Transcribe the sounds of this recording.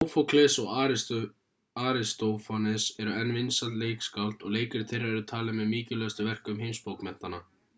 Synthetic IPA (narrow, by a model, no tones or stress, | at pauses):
owfowkʰlɛsɔɣ | aːɾɪst̪owfɔnɪðsɛɾʏɛnvɪnsalt̪leːjkskawlt̪ɔɣleːjkɪɾtθɪrːɪɛɾʏt̪ʰaːlɪmɛðmiːcɪlœst̪ʏvɛr̥kʏmɦejmspowkmɛn̥t̪ana